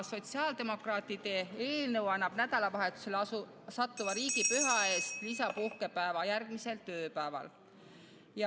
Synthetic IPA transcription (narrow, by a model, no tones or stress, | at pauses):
so̞t̪siɑːld̪e̞mo̞krɑːt̪ːˑid̪e̞e̞ːlnɤwɑnːɑb̥næd̪̥ɑlɑvɑɦe̞t̪u̥se̞lɑu | sɑt̪ːuvɑɾiːɡ̥ipyɦɑe̞ːst̪lisɑpuhke̞pæevɑjærɡ̥mise̞lt̪øːpæevɑ̰l | jɑ